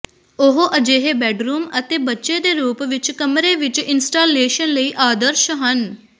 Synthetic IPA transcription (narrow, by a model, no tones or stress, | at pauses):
oɦoʔɐd͡ʒeːɦebɛːɖɾuːmət̪ebɐtːʃed̪eɾuːpʋɪt͡ʃkɐmɾeʋɪt͡ʃɪnsʈaːleːʃənləiːʔaːd̪əɾʃɦɐn